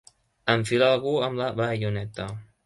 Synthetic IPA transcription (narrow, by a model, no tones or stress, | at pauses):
əɱfilaːlˠɣuəmləβəʎunɛt̪ə